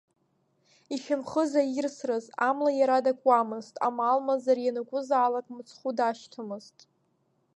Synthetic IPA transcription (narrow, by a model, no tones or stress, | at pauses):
it͡ʃʰamχəzajɪrsrɨzamlajaɾadakʷʼwamɨztʼa̰maːlmazarjanakʷʼʊzaːlakʼmɨt͡sʰχudaʃtʰɨmɨztʼ